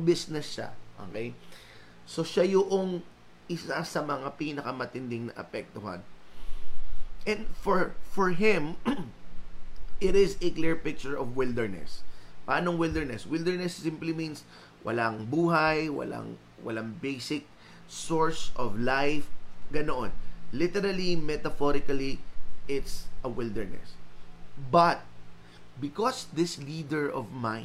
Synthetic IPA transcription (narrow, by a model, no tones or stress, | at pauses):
bɪsnɛsʃa̰ʔo̰kej | so̞ʃajʊʔoŋ | ʔɪsasɐmɐŋapiːnɐkɐmɐt̪ɪnd̪ɪŋnɐ̰ʔɐ̰pɛk̚t̪ʊɦa̰n | ʔɛ̃nd̪fɔɹfɔɹɦɪ̃m | ʔɪɾɪzɛkliɹpɪk̚t͡ʃʊɹɔvwɪld̪ɛɹnɛ̰spɐʔaːnoŋwɪld̪ɛɹnɛswɪld̪ɛɹnɛsːɪ̃mplimĩns | wʔɐ̰laŋbuːɦajwɐ̰lʔa̰ŋ | wɐ̰laŋbejsɪk̚ | sɔɹsʔɔvlajfɡ̥ɐnoʔonlɪt̪ɛɾɐlimɛt̪ɐfɔɾɪkɐliʔɪt̪sʔɐwɪld̪ɛɹnɛ̰s | bɐt̪̚ | bɪkɔsd̪ɪslid̪ɛɹɔvmãɪ̃